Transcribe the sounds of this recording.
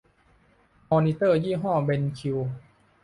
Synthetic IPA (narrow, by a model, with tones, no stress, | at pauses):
mɔː˧ni˧t̪ɤː˥˩jiː˥˩ɦɔː˥˩be˧nkʰi˧w